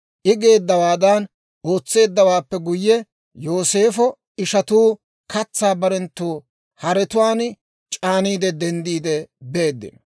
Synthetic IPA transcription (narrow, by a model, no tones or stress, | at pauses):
ʔɪɡe̞ːd̪ːɐwaːd̪ɐn | o̞ːt͡sːe̞ːd̪ːɐwaːpːɛɡʊjːɛ | jo̞ːse̞ːfɔ | ɪʃɐt̪uː | kɐt͡sːaːbɐɾɛnt̪ːuː | hɐɾɛt̪ʊwaːn | t͡ʃʼaːniːd̪ɛd̪ɛnd̪iːd̪ɛbe̞ːd̪ːɪ̰nɔ